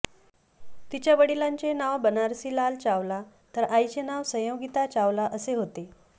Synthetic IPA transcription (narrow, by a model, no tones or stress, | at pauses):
t̪it͡ɕjabəɽilaɲt͡ɕenaʋbənaɾsiːlalt͡ɕaʋla | t̪əɾajt͡ɕenaʋsəjəʋɡit̪at͡ɕaʋlaʔəseɦot̪e